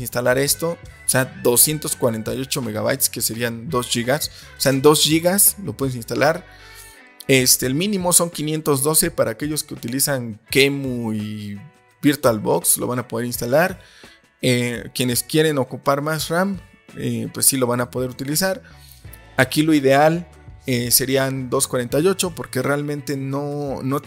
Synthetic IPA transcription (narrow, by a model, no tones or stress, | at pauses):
sinst̪alaɾe̞st̪o̞ | sead̪o̞sje̞nt̪o̞skwaɾe̞nt̪ajo̞t͡ʃo̞me̞ɣaβa̰jt̪ske̞se̞ɾiand̪o̞sʝiɣas | oseand̪o̞sʝiɣaslopweðes̬inst̪alaɾ | est̪elmĩnĩmo̞so̞ŋkinje̞nt̪o̞zðo̞se̞paɾʔaːke̞ʝo̞skeut̪ilisaŋkemui | biɾt̪walβo̞kslo̰βanapo̞ðe̞ɾinst̪alaɾ | ekje̞ne̞skje̞ɾe̞no̞kupaɾmasram | epwesːilo̞βanapo̞ðeɾut̪ilisaɾ | akilo̞iðe̞al | ese̞ɾiand̪o̞skwaɾe̞nt̪ajo̞t͡ʃo̞po̞ɾke̞re̞almẽnt̪e̞nono̞